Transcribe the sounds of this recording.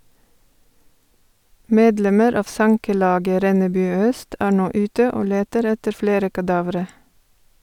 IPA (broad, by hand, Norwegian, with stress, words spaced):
ˈmeːdˌlɛməɾ ˈɑːʋ ˈsɑŋkəˌlɑːɡə ˈɾɛnəˌbʉː ˈœst ˈæː ˈɳoː ˈʉːtə ˈoː ˈleːtəɾ ˈɛtəɾ ˈfleːɾə kɑˈdɑːʋɾə